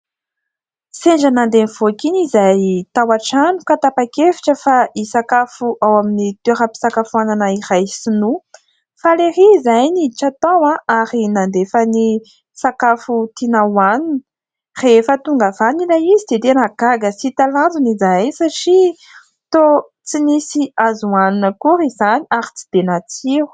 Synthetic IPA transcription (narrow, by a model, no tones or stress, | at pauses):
seɳd͡ʒanand̪eniv̥okinizajt̪awaʈ͡ʂanukat̪apakefi̥ʈ͡ʂəfaisakafuʔawaminit̪eɾapi̥sakafuananəiɾajsinu | faleɾizajniʈ͡ʂat̪awãʔaɾinand̪efəni | sakafut̪inawaninə | refət̪uŋɡavanilaizid̪ed̪enaɡaɡəsit̪aland͡zunizajsaʈ͡ʂi | t̪o | t͡sinisiazuanunəkuɾizaniaɾi̥t͡si̥d̪̥enat͡siu̥